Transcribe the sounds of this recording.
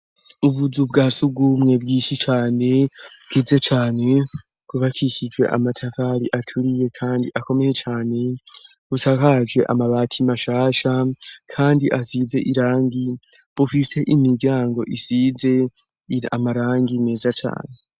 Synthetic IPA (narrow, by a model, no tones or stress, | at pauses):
uβuzub̚ɡaːsuɡumŋe̞ːbɡiʃit͡ʃaːne̞̥ | kize̞t͡ʃaːne̞ | kuβakiʃid͡ʒwe̞̰ʔa̰matʰafaɾiʔatʰuɾije̞kʰaːndḭʔako̞me̞jet͡ʃaːne̞ | βusakad͡ʒɡe̞ʔa̰maβaːtʰimaʃaːʃakʰaːndiʔasiːze̞̰ʔiɾaːŋɡiβ̥ufise̞ʔimiɾɡɟaːŋɡo̞̰ʔisiːze̞ | a̰maɾaːŋɡineːzat͡ʃa̰ːne̞